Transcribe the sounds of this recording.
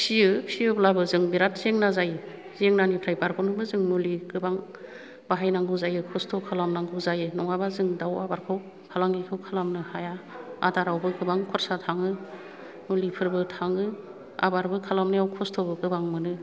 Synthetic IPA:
siɯpsijɯblabɯzɯŋbiɾat̚zeŋnazajɯ | zeŋnanipʰɾajbaɾkʰɔnɯbɯzɯŋnuliɡɯbaŋ | baɦajnaŋɡɯzajɯkʰɔstʰɔkʰalamnaŋɡɯzajɯnɔŋabazɯŋdawabaɾkʰaw | kʰalaŋɡikʰɯwkʰalamnɯhajaadaɾawbɯɡɯbaŋkʰɔɾsatʰaŋɯ | nulipʰɯɾbɯtʰaŋɯ | a̰baɾbɯkʰalamnɯjawkʰɔstʰɔbɯɡɯbaŋmɯnɯ

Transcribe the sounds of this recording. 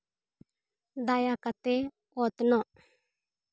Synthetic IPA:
d̪ajakat̪e | ot̪nɔ

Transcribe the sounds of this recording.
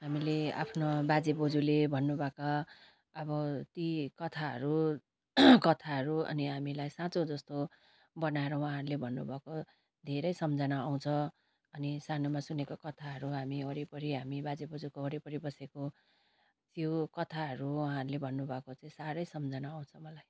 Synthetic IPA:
ɦamilea̰pʰnobad͡zibod͡zulebʱʌnːubʱʌka | ʌbʌt̪ikʌt̪ʰaɦʌ̰ɾu | kʌt̪ʰaɦʌɾuʌ̰niɦamilajsãt͡sod͡zʌst̪o | bʌnaeɾʌwaɦãɦʌɾulebʱʌnːubʱʌko | d̪ʱeɾʌjsʌmd͡zʱʌnaːw̃t͡sʰʌ̃ | ʌnisanomasunekokʌt̪ʰaɦʌɾuɦamiʌɾipʌɾiɦamibad͡zibod͡zukoʌɾipʌɾibʌseko | t̪jokʌt̪ʰaɦʌɾuwaɦãɦʌɾulebʱʌnːubʱʌkot͡saĩsaɾʌjsʌmd͡zʱʌnaːw̃t͡sʰʌmʌlaj

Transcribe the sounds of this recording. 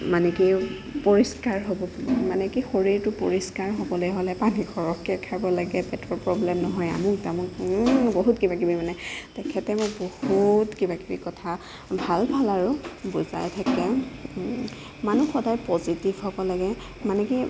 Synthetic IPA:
manɛki | poɹiskaɹɦobɔmanɛkixoɹiɹtʊpo̰ɹiskaɹɦɔbɔlojɦolɛpanixʰɔɹɔkːɛkʰabɔlaɡɛbɛtɔɹpɹɔblɛmnɔɦɔja̰muktamʊkboɦutkibakibimanɛtɛkʰɛtɛmʊkbohutkibakibikɔtʰa | bʱalbʱalaɹʊbuza̰jtʰakɛ | manuxɔdajpɔzitivɦɔbɔlaɡɛ | manɛki

